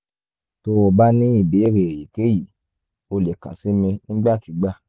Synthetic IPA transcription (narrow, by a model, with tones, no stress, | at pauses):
to˧˦o˧ba˦nĩ˦i˦˨be˨˦e˦˨ɾe˨e˨ji˨ke˦ji˦˨ | o˧le˨kã̰˨si˦mĩ˧n̩˦ɡ͡ba˦˨ki˨˦ɡ͡ba˦˨